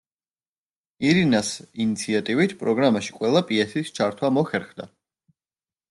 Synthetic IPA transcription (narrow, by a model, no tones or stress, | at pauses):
iɾinasinit̪sʰiat̪ʼivit̪ʰpʼɾɔɡɾamaʃi̥qʼwɛlˠapʼiɛsist͡ʃʰaɾt̪ʰwamɔχɛɾχd̪a